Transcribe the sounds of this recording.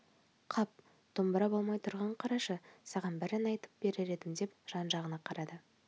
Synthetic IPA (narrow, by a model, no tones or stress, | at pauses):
qʰɑp̚ | d̪̥ʊmbəɾɑbo̞lˠmɑjt̪ʰʊɾʁɑɴqʰɑɾɑʃəsɑʁɑnbɪɾɪnɑjt̪ə̥p̚b̥e̞ɾɪɾe̞d̪ɪmd̪e̞pʒ̥ɑnʒɑʁənɑqʰɑɾɑd̪ə